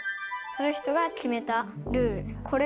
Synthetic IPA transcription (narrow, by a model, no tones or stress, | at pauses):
sonoçi̥t̪o̞ɡakʲime̞t̪a | ɾɯ̟ːɾɯ̟kʰo̞ɾe